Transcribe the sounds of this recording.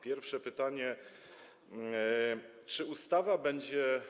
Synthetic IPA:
pʲjɛɾfʂɛpɘt̪aɲɛ | t͡ʂɘust̪avabɛɲd͡ʑɛ

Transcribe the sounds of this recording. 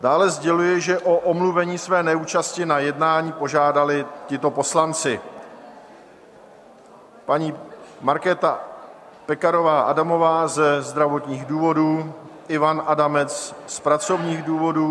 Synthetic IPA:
d̥aːlɛzɟɛlujɪʒɛʔoʔomluvɛɲiːsvɛːnɛuːt͡ʃascɪnajɛdnaːɲiːpo̞ʒaːdalɪcɪt̪o̞po̞slant͡sɪ | paɲiːmaɾkɛːt̪a | pɛkaɾo̞vaːʔa̰damo̞vaːzɛzd̪ɾavo̞t̪ɲiːɣduːvo̞duːʔɪvanʔadamɛt͡sspɾat͡so̞vɲiːɣduːvo̞duː

